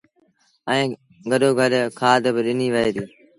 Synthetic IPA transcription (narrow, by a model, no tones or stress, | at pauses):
ɛ̃ː | ɡəɗoːɡʱəɗkʰaːd̪bɪɗɪniːʋəɦeːd̪iː